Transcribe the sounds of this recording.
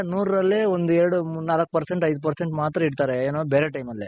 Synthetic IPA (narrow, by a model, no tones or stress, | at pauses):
nuːɾɾɐlːiond̪uɛɾɽunaːlɐkːpɐɾseɳʈɐjd̪upɐɾseɳʈmaːt̪ɾɐiɽt̪aːɾeeːnoːbeːɾeʈɐjmɐlːi